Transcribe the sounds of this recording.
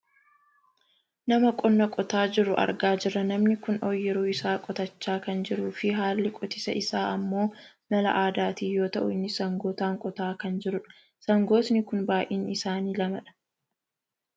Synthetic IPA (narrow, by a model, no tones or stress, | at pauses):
nɐmɐkʼɔnːɐkʼɔt̪aːd͡ʒɪɾʊʔɐ̰ɾɡaːd͡ʒɪrːɐnɐmnɪkʊnoːjːɛɾuːɪsaːkʼɔt̪ɐt͡ʃːaːkɐnd͡ʒɪɾuːfɪɦaːlːɪkʼɔt̪ɪsɐ̰ʔɪsaːɐmːo̞ː | mɐlɐ̰ʔaːd̪aːt̪iːjo̞ːt̪ɐʔʊɪnːɪsɐŋɡoːt̪aːŋkʼɔt̪aːkɐnd͡ʒɪɾʊᶑɐ̥ | sɐŋɡo̞ːt̪nɪkʊnbaːjʔiːnɪsaːniːlɐmɐᶑɐ̥